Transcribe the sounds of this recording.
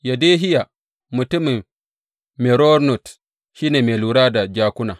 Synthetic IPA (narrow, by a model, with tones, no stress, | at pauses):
ja˨de˦ɦi˦ja˨ | mu˨tu˦mi˨n | mɛ˨ɾɔ˦ɾnɔ˨t | ʃi˦ne˨me˨lu˨ɾaː˦da˨d͡ʒaː˨ku˦naː˨